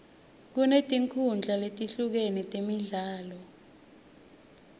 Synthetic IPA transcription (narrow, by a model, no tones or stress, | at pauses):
k̬unetʼiŋkʰund͡ɮʱaletʼiɬuk̬enitʼemiɮaːlɔ